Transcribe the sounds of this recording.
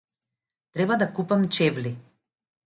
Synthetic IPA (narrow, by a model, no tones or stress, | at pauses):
t̪ɾɛbad̪akupamt͡ʃɛvli